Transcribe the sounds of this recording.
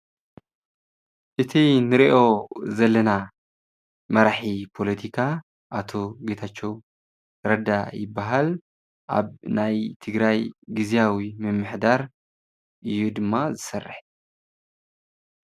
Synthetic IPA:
ʔɨt̪ʰinɨɾiʔo̞zɐlːɐna | mɐɾaħipʰo̞lɐt̪ʰikʰa | ʔat̪ʰo̞ɡet̪ʰat͡ʃːow | ɾɐd̪ajɪbːaɦal | ʔa̰βnajt̪ʰɨɡɾajɡɨzijawimɨmːɨħd̪aɾ | ʔɨjːud̪ɨmːazɨsɐrːɨ̰ħ

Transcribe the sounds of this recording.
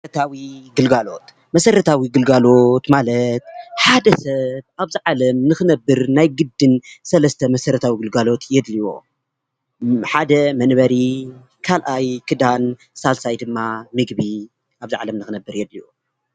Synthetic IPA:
t̪ʰawiɡɨlɡalo̞̰t̪ | mɐsɐɾɐt̪ʰawiɡɨlɡalo̞t̪malɐt̪ħad̪ɐsɐβaβziʕalɐmnɨxɨnɐbːɨɾnajɡɨd̪ːɨnsɐlɐst̪ʰɐmɐsɐɾɐt̪ʰawiɡɨlɡalo̞t̪ʰjɛd̪liwo̰ | ħad̪ɐmɐnβɐɾi | kʰalʔajkʰɨd̪an | salsajd̪ɨmːamɨɡbi | ʔaβziʕa̰lɐmnɨxɨnɐbːɨɾjɛd̪liwo

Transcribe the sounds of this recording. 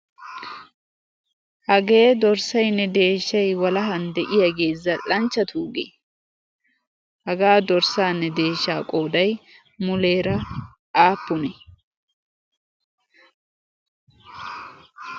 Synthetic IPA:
hɐɡe̞ːd̪ɔɾsɐjnːɛd̪e̞ːʃːɐjwɐlɐɦɐnd̪ɛʔɪjaɡe̞ːzːɐlɐnt͡ʃːɐt̪ʰuːɡḛ | hɐɡaːd̪ɔɾsaːnːɛd̪e̞ːʃːaːkʼo̞ːd̪ɐj | mʊle̞ːɾɐ | aːpːʊnɛ

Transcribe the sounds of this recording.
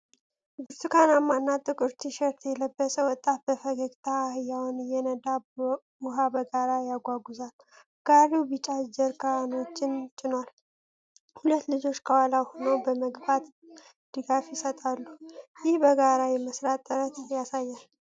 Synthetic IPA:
bɨɾt̪ʰukʰanamːanːat̪ʼɨkʼɨɾt̪ʰiʃɛɾt̪ʰjɛləbːəsʼəwɔt̪ʼːat̪̚bəfəɡəɡt̪ʰahjawnjɛnəd̪a | bʊɦabəɡaɾajaɡʷaɡuzal | ɡ̥aɾiwbɨt͡ʃʼad͡ʒɛɾkʰanot͡ʃːɪnt͡ʃʼːɪnwal | hulət̪ːlɨd͡ʒo̞t͡ʃːkʰəwalawhonəwbəməɡbat̪ | d̪̥ɨɡafjɪsət̪ʼalːujɪhbəɡaɾajɛməsɾat̪ʼɨɾət̪jasajːal

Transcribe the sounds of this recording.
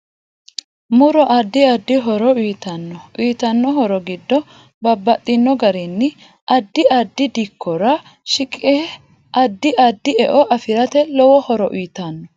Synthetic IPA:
mʊɾɔʔɐd̪ːɪɐd̪ːɪɦɔɾɔiːt̪ɐnːɔʔiːt̪ɐnːɔɦɔɾɔɡɪd̪ːɔ | bɐbːɐt̪ʼːɪnːɔɡɐɾɛnːɪ | ʔɐd̪ːɪɐd̪ːɪd̪ɪkʰːɔɾɐ | ʃɪkʼɛ | ʔɐd̪ːɪʔɐd̪ːɪɛʔɔʔɐfɪɾɐt̪ɛlɔwɔhɔɾɔʔwiːt̪ɐnːɔ

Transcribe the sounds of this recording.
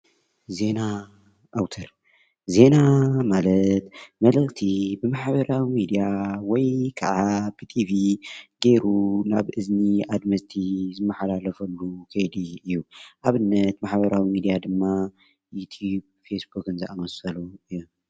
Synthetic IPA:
ze̞na | ʔawt̪ʰɐɾ | ze̞namalɐt̪mɐlɐlt̪ʰibɨmaħβɐɾawimid̪ijawɔjkʰɐ̰ʕab̥ɨt̪ʰiviɡe̞ɾunaβʔɨzniad̪mɐst̪ʰizɨmːɐħalalɐfɐlːukʰɐjd̪iɨjːuʔaβɨnːɐt̪maħβɐɾawimid̪ijad̪ɨmːa | jut̪ʰjub | fesbukɨnzɨʔamɐsɐluɨj

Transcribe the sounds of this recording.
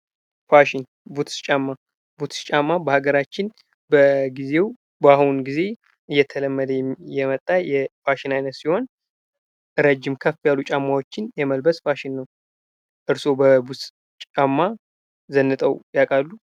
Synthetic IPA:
faʃɪn | but̪t͡ʃʼamːa | but̪t͡ʃʼamːabəhaɡəɾat͡ʃːɪn | bəɡize̞w | bahnɡize̞ | ɨjːɛt̪ʰələmːəd̪əjɛjɛmət̪ʼːajɛfaʃɪnajnət̪siho̞n | ɾəd͡ʒːɪmkʰəfːjalːut͡ʃʼamːawo̞t͡ʃːɪnjɛməlbəsfaʃɪnːəw | ʔɨɾso̞bəbut̪ | t͡ʃʼamːa | zənːɨt̪ʼəwjakʼalːu

